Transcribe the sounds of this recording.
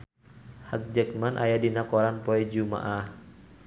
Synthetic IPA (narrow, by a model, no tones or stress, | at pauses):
hak̚d͡ʒək̚manʔa̰jadinakɔɾanpɔɛd͡ʒuma̰ʔah